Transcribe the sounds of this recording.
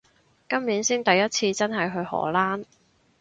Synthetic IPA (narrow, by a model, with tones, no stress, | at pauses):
kɐ˥mːiː˨˥nsiː˥nt̪ɐ˨jːɐ˥t̚t͡sʰiː˧t͡sɐ˥nɦɐ˨jɦɵ˧ɥhɔ̰ː˨˩˥laː˥n